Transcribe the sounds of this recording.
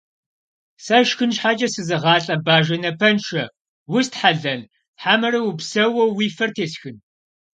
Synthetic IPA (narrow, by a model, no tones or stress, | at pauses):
sɐʃxɨnʃħaːt͡ʃʼɐsɨzɨʁɑːɬʼɐbaːʒɐnɐpʰɐnʃʰɐ | wʊstħaɮɐn | ħaːmɐrɐwʊpsɐwɐwiːfɐrtʰeːsxɨn